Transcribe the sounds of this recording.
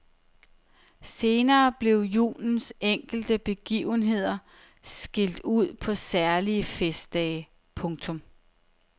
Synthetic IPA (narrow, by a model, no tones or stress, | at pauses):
se̝ːnɐːb̥le̝ʊjṵːln̩seŋ̰ɡ̥l̩d̥əb̥e̝ɡ̥ḭːʊnɦe̝ð̞̰ˠɐ | sɡ̥el̰d̥uð̞̰ˠpʰɒ̽sæɐliəfesd̥ɛɪ | pʰɔ̽ŋt͡sʰɔ̽m